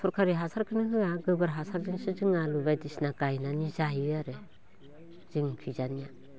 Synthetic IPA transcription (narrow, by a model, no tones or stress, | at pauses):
sʰɔɾkʰaɾiɦasaɾkʰɯnɯhɯaɡɯbɯɾɦasaɾziŋsɯzɯŋalubajdisnakajnanizajiaɾe | z̥iŋkʰizanija